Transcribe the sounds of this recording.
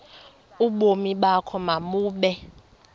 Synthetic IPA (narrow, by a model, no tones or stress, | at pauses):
uɓomiɓakʰɔmamuːɓɛ